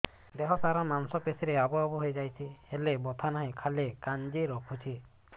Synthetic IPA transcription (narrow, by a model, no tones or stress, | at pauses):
d̪eɦɔsaɾamansɔpesiɾeabɔabɔɦojd͡ʒajt͡ʃʰihelebɔt̪ʰanaɦĩkʰalekand͡ʒiɾɔkʰut͡ʃʰi